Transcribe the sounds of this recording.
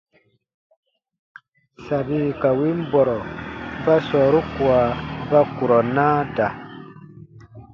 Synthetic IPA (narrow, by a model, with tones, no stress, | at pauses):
sa˨bi˦ka˨wi˦m˦bɔ˨ɾɔ˨˦ba˦sɔː˨ɾu˦ku˨a˨ba˦ku˨ɾɔ˨naː˦da˨